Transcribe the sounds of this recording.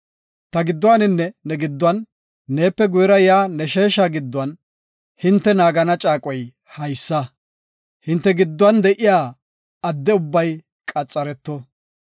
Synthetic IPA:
t̪ɐɡɪd̪ːʊwaːnɪnːɛnɛɡɪd̪ːʊɐnː | e̞ːpːɛɡʊjɾɐjaːnɛʃe̞ːʃaɡɪd̪ːʊɐn | hɪnt̪ːɛnaːɡɐnɐt͡ʃʼaːkʼɔj | hɐjsːɐ | hɪnt̪ːɛɡɪd̪ːwɐnd̪ɛʔɪjaː | ɐd̪ːɛʊbːɐj | kʼɐt͡sʼːɐɾɛt̪ːɔ

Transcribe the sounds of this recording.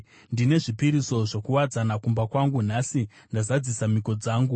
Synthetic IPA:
ndine̞ʐipiɾiso̞ʐokuwad͡zanakumbakwaŋɡun̤asi | ndazad͡zisamiko̞d͡zaːŋɡu

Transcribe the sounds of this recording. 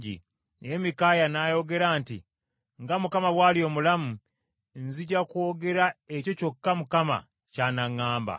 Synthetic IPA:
ḭ | emikajanajo̞ɡe̞ɾaːntḭ | ŋɡamukamaβwaːlio̞mulamu | nziɟakwo̞ːɡe̞ɾaeco̞co̞kːamukama̰ | caːnaŋːaːmba̰

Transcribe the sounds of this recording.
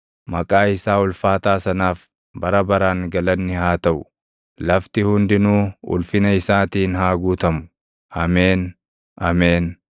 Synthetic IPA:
mɐkʼaːɪsaːʊlfaːt̪aːsɐnaːf | bɐɾɐbɐɾaːŋɡɐlɐnːɪhaːt̪ɐʔʊ | lɐft̪ɪhʊnd̪ɪnuːʊ̰lfɪnɐɪsaːt̪iːnhaːɡuːt̪ɐmʊ̥ | ɐmeːn | ɐmeːn

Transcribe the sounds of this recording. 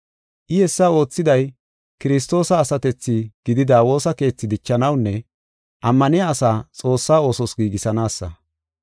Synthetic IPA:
ʔɪjɛsːɐo̞ːt͡sːɪd̪ɐj | kɪɾɪs̬t̪o̞ːsɐːsɐt̪ɛt͡sːɪɡ̥ɪd̪ɪd̪awo̞ːsɐke̞ːt͡sːɪd̪ɪt͡ʃːɐnɐwnːɛ | ʔɐmːɐnɪjaːsaːt͡sʼo̞ːsːaːo̞ːsɔsɡiːɡɪsɐnaːsːɐ̰

